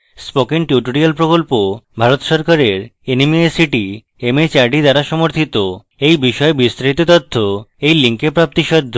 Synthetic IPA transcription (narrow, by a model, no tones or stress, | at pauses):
spokeŋʈjuʈoɾialpɾokolpobʱaɾot̪ʃɔɾkaɾeɾenimiesiʈi | emet͡ɕaɾɖid̪aɾaʃɔmoɾt̪ʰit̪o | ejbiʃɔebist̪ɾait̪ot̪ɔt̪ʰːoejliŋkepɾap̚t̪iʃɔd̪ʱːo